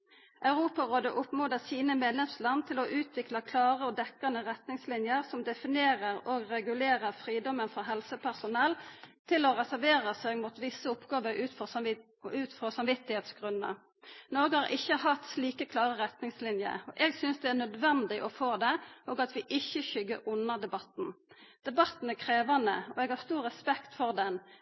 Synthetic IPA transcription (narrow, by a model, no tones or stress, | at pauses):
ʔɑʉɾuːpɑɾoːd̪əʔʊpmoːd̪əsiːnəmeːd̪lɛmslɑnːt̪ʰɪlɔʔʉːt̪ʰʋɪklɑkʰlɑːʁəɔd̪ɛkːɑnəʁɛt̪nɪŋslɪnjəɾsɔmd̪ɛfɪneːɾəɾoɡɾɛɡʉleːɾəɾfɾiːd̪ɔmənfɔɦɛlsəpʰæʁsʊnɛlːt̪ʰɪlɔʁɛsæɾʋeːɾəseːɡmuːt̪ʋɪsːəɔpɡɑːʋəɾʉːfɔ | ʉːt̪fʁɔsɑmʋɪt̪ːɪheːt̪sɡʁʉnːə̰ | noːɡəhɑɾʔɪçːəhɑt̪sliːkəkʰlɑːʁəʁɛt̪nɪŋslɪnjə̰ɔʔɛːɡsʏnsd̪ɛæʁnœd̪ʋɛnd̪ɪʔɔfoːd̪ɛʔoːɡɑt̪ʋɪʔɪçːəçʏɡːəɾʊnːəd̪ɛbɑt̪n̩ | d̪̥ɛbɑt̪n̩ækʰʁeːʋɑnə̰ɔɛɡhɑʁst̪uːɾːɛspɛkt̪fɔʁd̪ɛn